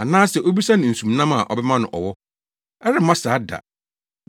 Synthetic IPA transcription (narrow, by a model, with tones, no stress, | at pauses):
a˨nãː˦sɛ˨ʔo˦bi˦sa˦nɪ̃˨n̩˨sũ˨mnã˦ma˨ʔɔ̰˨bɛ˦mã˦nʊ̰̃˨ʔɔ˨wɔ˦ | ɛ˦ɾɪ˨˦mã˦saː˨˦da̰˨